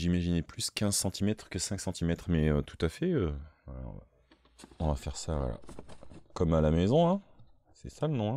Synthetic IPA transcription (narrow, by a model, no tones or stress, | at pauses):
ʒimaʒinɛplyskʲɛ̃zsɑ̃t̪ʰimɛt̪χkəsɛ̃ksɑ̃t̪ʰimɛt̪χmɛøt̪ʰu̥t̪afɛøalɔ̰ʁ̰ | ɔ̃vafɛʁsa̰ | kɔmalamezɔ̃ɛ̃ | sɛsalənɔ̃ɛ̃